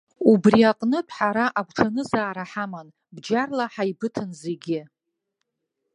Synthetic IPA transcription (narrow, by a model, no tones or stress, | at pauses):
ubriaqʼnɨtʷʼʰħaɾaʔaɡʷʰʈ͡ʂʰanɨzaːɾaħaman | bd͡ʒarlaħajbɨtʰɨnze̞ɡʲɪ